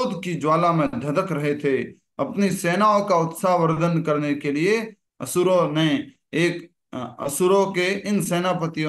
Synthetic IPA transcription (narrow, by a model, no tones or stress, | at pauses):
d̪kid͡ʒwaːlãmẽd̪ʱɐd̪əkɾɐɦet̪ʰe | ɐpniseːnaːõkaʊt̪saːɦʋəɾd̪ənkɐɾnekelie | ɐ̰sʊɾonẽ | eːk | ə̰sʊɾõkeɪnseːnapət̪ijõ